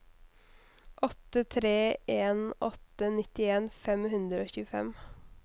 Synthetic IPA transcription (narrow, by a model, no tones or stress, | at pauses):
ʔɔt̪ət̪ʰɾeːʔeːnɔt̪ənɪt̪ɪeːnfɛmhʉnd̪ɾəoːçʉːəfɛ̰m